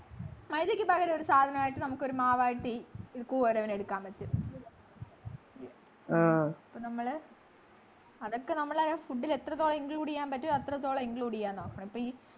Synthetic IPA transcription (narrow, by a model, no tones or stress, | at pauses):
mɐjðɐkʲːɨpɐɣɐɾɐoɾusaːd̪ʱɐnɐmaːjiʈːɨnɐmukːo̞ɾumaːʋaːjiʈːɨɾkuːʋɐɾɐʋɐneɽukːaːmpɐtːu | aipːoːnɐmːɐɭ | ɐðokːenɐmːɐɭɐfuɖːilet̪ːrɐt̪ːoːɭɐiŋɡluːɽijːaːmpɐtːuɐt̪ːrɐt̪̬ːoːɭɐiŋɡluːɽijːaːnnoːkːɐɳɐ̃ipːoːi